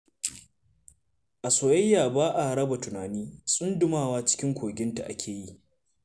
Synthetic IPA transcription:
ʔa˨soː˨jɐ˦jːaː˨baː˦ʔa˨hɽɐ˦ba˨tʊ˨naː˨niː˦sʼʊ˦ndʊ˨maː˦waː˦t͡ʃɪ̥˦kʲɪ˦ŋkʷoː˨ɡʲɪ˦nta˨ʔa˦kʲʰeː˨ji˦

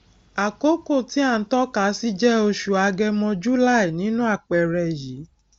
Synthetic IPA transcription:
a˨ko˦ko˦˨ti˨˦a˦˨n̩˨˦tɔ˦ka˨˦si˦d͡ʒɛ˦o˧ʃu˨a˧ɡɛ˧mɔ̃˧d͡ʒu˦la˦i˨nĩ˨˦nũ˦a˦˨k͡pɛ˨ɾɛ˧˨ji˨˦

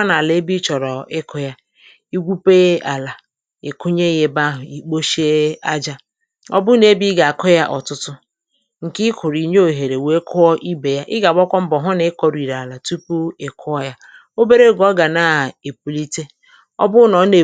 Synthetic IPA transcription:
a˦na˨le˦bi˦t͡ʃɔ˨ɾɔ˨ɪ˦kʰʊ˦ja˦ | i˦ɡʷu˦pe˦ʔa˨la˨ | ḛ˨kʊ˦ɲe˦ɣe˦ba˦ɦʊ˨i˦k͡po˦ʃe˦a˦d͡ʒa˦ | ɔ̰˦bʊ˦ne˦bi˦ɡa˨a˨kɔ˦ja˦ʔɔ̰˨tʊ˦tʊ˦ | ŋ̩˨kɪ˦kʰʊ˨ɾi˨ɲ˦o˨ɦe˨ɾe˨we˦kʰʊ˦ɔ˦ʔi˦be˨ja˦ʔɪ˦ɡa˨ɡ͡bɔ˦kʷɔ˦m̩˦bɔ˨ɦʊ˦ne˦kɔ˨ɾi˨ɾa˨la˨tu˦pu˦e˨kʰʊ˦ɔ˦ja˦ | o˦be˦ɾe˦˨ɡɔ˦ɡa˨na˨e˨pu˨li˦te˦ | ɔ̰˦bʊ˦nɔ˨˦ne˨

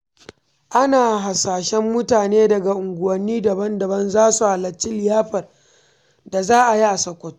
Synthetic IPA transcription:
ʔa˦naː˨ɦa˨saː˨ʃɛ˦mːʊ˦taː˨neː˦dɐ˨ɡa˨ʔʊ˨ŋɡʷʊ˨wɐ˨nːiː˦dɐ˨bɐ˦ndɐ˨bɐ˦nzaː˦su˨ha˨lɐ˨t͡ʃːi˦lɪ˨jaː˦ɸɐ˨r | da˨zaː˦ʔa˨ji˦ʔa˨sɐ˨kʷːɐ˦˨to˦

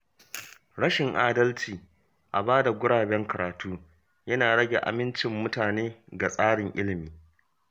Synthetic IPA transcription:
ɽɐ˦ʃɪ˨ŋʔaː˦dɐ˦lt͡ʃiː˨ | ʔa˨baː˦da˨ɡʷʊ˦ɽaː˨bɛ˦ŋkɐ˨ɾaː˨tʰuː˦ | jɐ˦naː˨ɽɐ˦ɡʲe˨ʔa̰˨mɪ˦nt͡ʃɪ˨mːʊ˦taː˨neː˦ɡa˨sʼaː˦ɽɪ˨ŋʔɪ̰˦lɪ˨miː˨

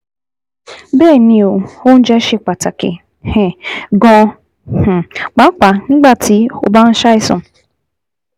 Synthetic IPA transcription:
be˦˨ni˨o˨o˦n̩˦d͡ʒɛ˦ʃe˦k͡pa˨ta˨kɪ̰˨ | he˨ɡɔ̃˦ | h̩˨k͡pa˨˦ŋ͡m̩˦k͡pa˨ŋ̩˦ɡ͡ba˦ti˨o̰˨ba˦n̩˦ʃa˦ɪ˦sɔ̰̃˨m˨

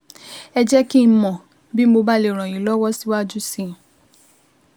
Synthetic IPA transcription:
ɛ˧d͡ʒɛ˦ki˦n̩˧˦mɔ̃˨ | bi˦mo˧ba˦le˨ɾ̃ɔ̃˨j̃ĩ˨lɔ˦wɔ˦si˦wa˦d͡ʒu˦sĩ˦˨

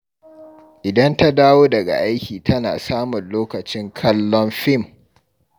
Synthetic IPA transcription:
ʔɪ˨dɐ˦nta˦daː˦woː˦dɐ˨ɡa̰˨ʔa˦jkʲiː˨tɐ˦na̰ː˨saː˦mʊ˨nloː˦kɐ˨t͡ʃɪ˦ŋkʰɐ˦lːɔ˦mɸɪ˦˨m

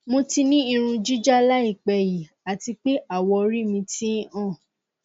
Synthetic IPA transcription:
mõ˧ti˧nĩ˦i˧ɾ̃ũ˧d͡ʒi˦d͡ʒa˦la˦i˦˨k͡pɛ˨ji˨ | a˨ti˧k͡pe˦ʔa˦˨wɔ˧ɾi˦˨mĩ˧tĩ˦ã˦˨

